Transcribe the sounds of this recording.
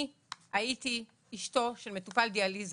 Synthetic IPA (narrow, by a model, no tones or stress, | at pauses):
aiti | iʃto̞ʃelmetupald̪ializ